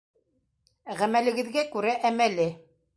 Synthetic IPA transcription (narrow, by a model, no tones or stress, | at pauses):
ʁæmælɘ̆ɡɘ̆ðɡækʉɾæʔæmælɘ